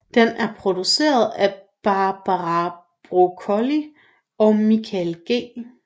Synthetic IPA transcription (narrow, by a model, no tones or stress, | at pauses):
d̥enæɐpʰʁo̝d̥use̝̰ːɐð̞ˠæb̥ɑ̈b̥ɑʁɑ | b̥ʁokʰɔli | ɒ̽mikʰælɡ̥e̝̰ː